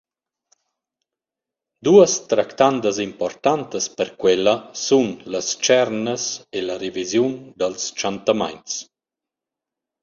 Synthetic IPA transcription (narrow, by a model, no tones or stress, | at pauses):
d̪uəst̪ɾakt̪and̪əzimpɔrt̪ant̪əspəɾkwɛlːəsunləst͡ʃɛrnəselaɾevizjund̪əlst͡ʃant̪ama̰jns